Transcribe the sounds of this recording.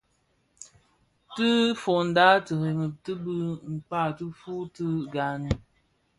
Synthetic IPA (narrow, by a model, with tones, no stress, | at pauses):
tɨ˦fo˨n̩˨da˦tɨ˨ɣe˨ŋə˨tɨ˦bɨ˦ŋ͡m̩˨k͡pa˦˨tɨ˦fu˦tɨ˦ɡa˨n˨